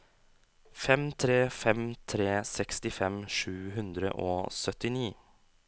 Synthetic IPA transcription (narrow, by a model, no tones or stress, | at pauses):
fɛmt̪ʰɾeːfɛmt̪ʰɾeːsɛkst̪ɪfɛmʂʉːɦʉnd̪ɾə̰ʔo̰ːsœt̪ɪniː